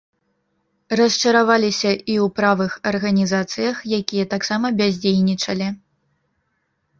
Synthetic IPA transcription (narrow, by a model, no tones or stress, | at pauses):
rɐst͡ʂɐɾavalʲisʲɐʔiwpɾavɨxɐrɣɐnʲizat̪sɨjɐxjakʲijɐt̪aksamɐbʲazʲd͡zʲejʲnʲit͡ʂɐlʲi